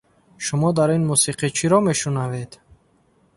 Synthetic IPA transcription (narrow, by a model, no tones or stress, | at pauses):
ʃumɔd̪aɾinmusiqʰit͡ʃʰiɾɔme̞ʃunave̞d̪